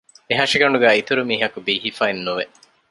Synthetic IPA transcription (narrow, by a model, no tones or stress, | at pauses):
eɦɐʂiɡɐɳɖuɡæːit̪uɾumiːɦɐkubiːɦifaːinːuʋe